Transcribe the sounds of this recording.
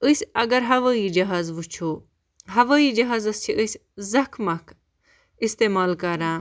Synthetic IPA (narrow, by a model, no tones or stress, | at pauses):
əsʲɐɡɐɾɦɐʋaːiːd͡ʒɐɦaːzʋut͡ʃʰoː | ɦɐʋaːiːd͡ʒɐɦaːzɐst͡ʃʰiʔəsʲzɐkʰmɐkʰ | ist̪eːmaːlkɐɾãː